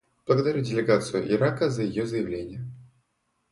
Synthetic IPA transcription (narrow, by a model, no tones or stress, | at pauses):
b̥lˠəɡəd̪ɐɾʲudʲɪlʲɪɡat̪sɨjʊʔɪɾakəzəjɪjozəjɪvlʲenʲɪjə